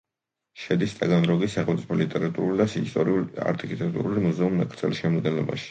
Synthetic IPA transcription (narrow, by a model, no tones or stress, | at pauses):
ʃɛd̪ist̪ʼaɡanɾɔɡisaχɛlmt̪sʼi̥pʰɔlit̪ʼɛɾat̪ʼuɾulid̪asist̪ʼɔɾila̰ɾt̪ʼikʰʼit̪ʼɛk̚t̪ʼuɾulimuzɛumːɛ̰kʼɾt̪sʰʼɛ̰lisʃɛmɔd̪ɡɛnlˠɔ̰ba̰ʃi̥